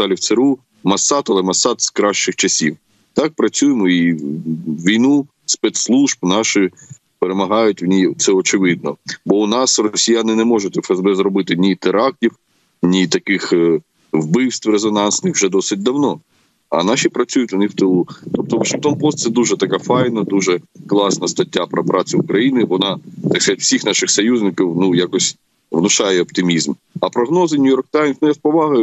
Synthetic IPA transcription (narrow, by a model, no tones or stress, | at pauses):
t̪ɑlʲiwt̪seɾu | mɐsɑt̪ɐlˠɛmɐsːɑt̪skɾɑʃt͡ʃɪxt͡ʃɐsʲiw | t̪ɑk̚pɾɐt͡sʲujɪmɔi | ʋʲijnu | spɛt̪slˠuʒbnɑʃɪ | peɾemɐɦɑjʊtʲwnʲit̪sɛɔt͡ʃɪʋɪd̪̚nɔbɔʊnɑsrɔsʲijanɪnɛmɔʒʊtʲɛfɛzbɛzɾɔbɪt̪ɪnʲit̪ɪɾɑk̚tʲiw | nʲit̪ɐkɪx | wbɪwst̪ʋrezɔnɑnsnɪxwʒɛd̪ɔsɪt̚ʲd̪ɐwnɔ | ɐnɑʃʲipɾɐt͡sʲujʊtʲʊnɪwt̪ɪlˠut̪ɔp̚t̪ɔʋɐʃɪŋkt̪ɔnpɔst̪sɛd̪uʒɛt̪ɐkafɑjnɐd̪uʒɛklˠɑsnɐst̪ɐtʲːapɾɐpɾɑt͡s̪ʲʊʊkɾɐjinɪʋɔnɑt̪ɑkskɐzatʲwsʲixnɑʃɪxsɔjuzʲnɪkiwnujakɔsʲ | ʋnʊʃɑjɛɔpt̪ɪmʲizm | ɐpɾɔɦnɔzɪnʲʊjɔrk̚t̪ajmsnʊjaspɔʋɑɦɐjʊ